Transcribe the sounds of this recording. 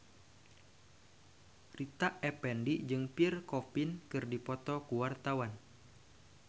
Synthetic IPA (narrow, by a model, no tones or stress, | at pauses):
rit̪aʔɛpɛndiʔd͡ʒɨŋpirkɔpinkɨrdipɔt̪ɔkuwart̪awan